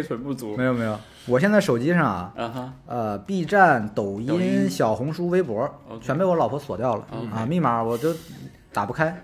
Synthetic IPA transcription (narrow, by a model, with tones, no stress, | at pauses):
tʰə˧˥npu˥˩t͡su˧˥me˥jo˨˩me˧˥jo˨˩ʊ | wɔ˨˩ɕjɛ˥˧nt͡sɪʂo˨˩ʊt͡ɕi˥ʂɑ˥˩ŋɐ̰˩˧ə˧pi˥˧ʈ͡ʂa˥˩nt̪o˨˩ʊi˥nɕjɑ˨˩ʊxʊ˧˥ŋʂu˥we˥ɪpwɔ˧˥t͡ɕʰɥɛ˧˥npe˥˩ɪwɔ˧˥lɑ˨˩ʊpʰɔ˧˥swɔ˨˩t̪jɑ˥˩ʊlə̰˨˩ə˧mi˥˩ma˧˥wɔ˨˩t͡ɕjo˥˩ʊ | t̪a̰˨˩pu˥˩kʰa˥ɪ